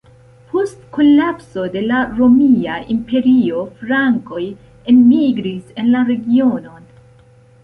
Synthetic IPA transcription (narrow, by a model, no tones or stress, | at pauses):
pʰo̞stko̞lapso̞de̞laɾo̞miaʔimpe̞ɾio̞fɾaŋko̞j | e̞nmiɡɾise̞nlaɾe̞ɡio̞no̞n